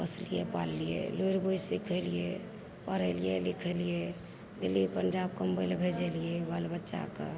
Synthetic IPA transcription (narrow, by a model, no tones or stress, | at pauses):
pəslijḛpa̰lːijḛloɾbojsikʰəlije | pəɾəlijelikʰəlije | d̪ilːipəɲd͡ʒab̚kəmbəjlbʱed͡ʒəlijɛbalbətːʃa̰kḛ